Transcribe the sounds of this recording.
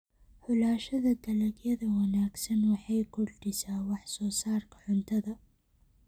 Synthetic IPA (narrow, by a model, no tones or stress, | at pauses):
ħʊlaːʃad̪ad̪alakjad̪awanaksanwaħajkʊld̪isaːwaħsosɑːɾˤkʕʊnt̪ad̪a